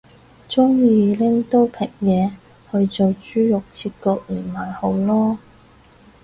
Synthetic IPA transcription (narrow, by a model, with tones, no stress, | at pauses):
t͡sʊ˥ŋjiː˨˧lɪ˥ŋt̪o˥wpʰɪ˨˩k̚jɛː˨˧ | hɵ˧ɥt͡so˨wt͡ʃyː˥jʊ˨k̚t͡sʰiː˧t̚kɔː˧k̚lyː˨˩nmaː˨˩jho˨˧˥wlɔː˥